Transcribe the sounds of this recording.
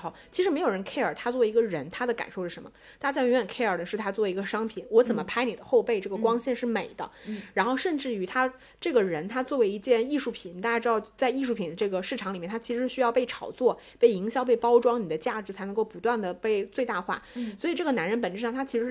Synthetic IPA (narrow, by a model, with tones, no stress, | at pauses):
t͡ɕʰi˧˥ʂɻ̩˧˥e˧˥jo˨˩ɻə˧˥nkʰe˥ɪə˞˨˩t̪ʰa˥t͡swɔ˥˩˧i˧˥ɡə˧ɻə˧˥nt̪ʰa˥d̪ə˨ka̰˨˩nʂo˥˧ʊʂɻ̩˥˩ə˧˥mə˧˩ | t̪a˥˩t͡ɕja˥˩jɛ˧˥ə˨˩nkʰe˥ɪə˞˨˩d̪ə˦ʂɻ̩˥˩t̪ʰa˥t͡swɔ˥˩i˧˥ɡə˧ʂɑ˥ŋpʰi˨˩nwɔ˧˥t͡sə˨˩mə˦pʰa˥ɪni˨˩ə˦xo˥˧ʊpe˥˩ɪʈ͡ʂɤ˥˩ɡə˩˧kwɑ˥ŋɕjɛ˥˧nʂɻ̩˥˩me˨˩ɪd̪ə̰˦ɻa˧˥nxo˥˧ʊʂə˥˧nʈ͡ʂɻ̩˥˩y˨˩t̪ʰa˥ | ʈ͡ʂɤ˥˩ɡə˩ɻə˧˥nt̪ʰa˥t͡swɔ˥˩we˧˥ɪi˧˥˧t͡ɕjɛ˥˧ni˥˧ʂu˥˩pʰi˨˩˦n˨t̪a˥˧jʈ͡ʂɻɑ˥˧ʊt͡sa˥˧ɪi˥˧ʂu˥˩pʰi˨˩nd̪ə˦ʈ͡ʂɤ˥˩ɡə˩ʂɻ̩˥˩ʈ͡ʂʰɑ˧˥ŋli˨˩mɛ˥˩nt̪ʰa˥t͡ɕʰi˧˥ʂɻ̩˧˥˩ɕy˥jɑ˥˧ʊpe˥˩ɪʈ͡ʂʰɑ˨˩ʊt͡swɔ˥˩ | pe˥˩ɪi˧˥ŋɕjɑ˥˧ʊp̬e˥˩ɪpɑ˥ʊʈ͡ʂwɑ˥ŋni˨˩d̪ə˦t͡ɕja˥˩ʈ͡ʂɻ̩˧˥t͡sʰa˧˥ɪnɤ˧˥ŋko˥˩ʊpu˧˥t̪wa˥˩nd̪ə˩pe˥˧ɪt͡swe˥˧ɪt̪a˥˧xwa̰˥˩swɔ˧˥i˨˩ʈ͡ʂɤ˥˩ɡə˩na˧˥nɻə˧˥npə˨˩nʈ͡ʂ̩˥˧ʂɑ˥˩ŋt̪ʰa˥t͡ɕʰi˧˥ʂɻ̩˧˥˩